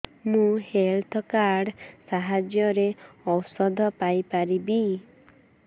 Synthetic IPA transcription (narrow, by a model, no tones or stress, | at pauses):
mũhelt̪ʰɔkaɾɖsaɦad͡ʒjɔɾeɔwsɔd̪ʱɔpajpaɾibi